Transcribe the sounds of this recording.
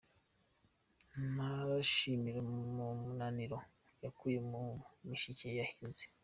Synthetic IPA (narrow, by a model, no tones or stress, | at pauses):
naβaʃimiɾemumunaniɾo̞ | jakujemumiʃicejahinzi̥